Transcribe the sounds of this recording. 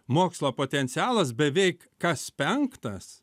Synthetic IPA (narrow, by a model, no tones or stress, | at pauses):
moːkslˠoːpoːt̪ʲɛnʲt̪sʲɪɑːlˠɐsbʲɛʋʲɛɪkːɐspʲɛŋkt̪ɐs